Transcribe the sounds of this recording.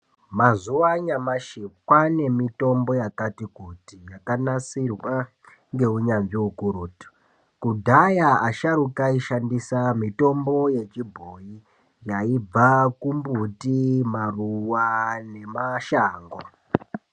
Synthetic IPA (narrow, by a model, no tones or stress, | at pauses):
mazuwaɲamaʃikwane̞mito̞mbo̞jakatikutijakanasirwa | ŋɡe̞uɲanʐiukuɾuːti̥ | kudʱajaaʃaɾukaiʃandisamito̞mbo̞je̞t͡ʃibʱoji | jaib͡vakumbutimaruwane̞maʃaːŋɡo